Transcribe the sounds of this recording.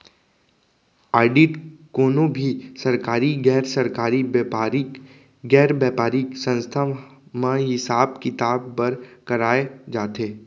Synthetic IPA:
aːɾɖiʈkoːnobʱisɐɾkaːɾiɡɛːɾsɐɾkaːɾibɾ | ɡɛːɾbjaːpaːɾiksə̃nst̪ʰamãɦɪsaːbkɪt̪aːbpɐɾkɐɾaːed͡ʒaːt̪eː

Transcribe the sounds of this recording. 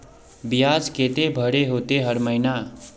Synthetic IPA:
bijad͡zket̪ebʱʌɾeɦot̪eɦʌɾmʌjna

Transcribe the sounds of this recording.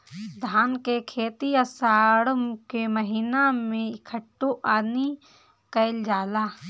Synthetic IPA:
d̪ʱaːnkekʰeːt̪iasaːɽəmkeməɦinamẽɪkʰəʈːoʔaːni | kəɪld͡ʒaːlaː

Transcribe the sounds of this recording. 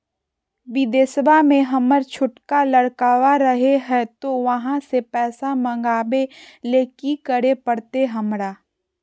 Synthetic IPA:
ʋɪd̪eːsəbʱamẽɦɐməɾt͡ʃʰʊʈkalɐɽkaːʋaɾəɦeɦɛt̪oʋɐɦãsepɛːsamɐ̃ŋɡaːbeleːkikəɽepəɽt̪eɦɐmɾaː

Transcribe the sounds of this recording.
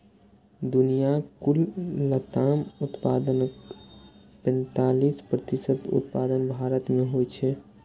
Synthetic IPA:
d̪unijakulːət̪amut̪paːd̪ənək | pɛ̃nt̪alispɾət̪isəd̪ṵt̪̚paːd̪ənbʱaɾət̪meɦojt͡ʃʰɛ

